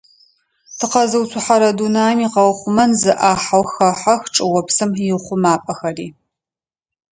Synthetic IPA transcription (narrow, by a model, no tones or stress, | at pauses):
tʰɨqɐzɨwt͡sʰʷʊħaɾɐdunaːmiːqɐwχʷʊmɐnzɨʔaːħawxɐħaxʈ͡ʂʼɨwɔpsɨmjɪχʷʊmaːpʼɐxɐriː